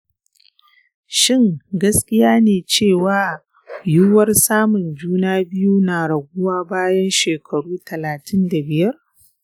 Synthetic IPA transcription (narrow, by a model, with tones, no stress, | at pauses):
ʃɪ˦ŋɡɐ˦skʲɪ˦jaː˦neː˨t͡ʃeː˦˨waː˦ | juː˦wɐ˦rsaː˦mʊ˨nd͡ʒuː˦naː˦bɪ˦juː˦naː˨ɽɐ˨ɡʷʊ˦waː˦baː˦jɐ˦nʃeː˨kʰɐ˨ɽuː˦tɐ˨laː˨tʰɪ˦nda˨bɪ˨jɐ˦r